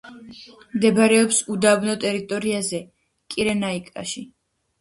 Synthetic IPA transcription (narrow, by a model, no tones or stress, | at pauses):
md̪ɛbɾɛɔpsud̪abnɔt̪ʼɛɾit̪ʼɔɾiazɛ | kʼiɾɛnaikʼa̰ʃi